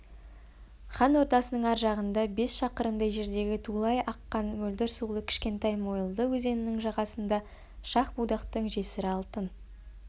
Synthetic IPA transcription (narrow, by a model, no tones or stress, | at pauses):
χɑnwo̞ɾt̪ɑsənəɴæɾʒɑʁənd̪ɑbe̞sʃɑqəɾənd̪ɑjʒe̞ɾd̪e̞ɡʲɪt̪ʰulˠɑjʔɑqːɑnmɵld̪ɪɾsulˠəkʲʰɪ̥ʃkʲe̞nt̪ɑjmo̞jəlˠd̪əwɵze̞nɪnɪŋʒɑʁɑsənd̪ɑ | ʃɑχbud̪ɑqt̪əɴʒe̞sɪɾɪɑlˠt̪ən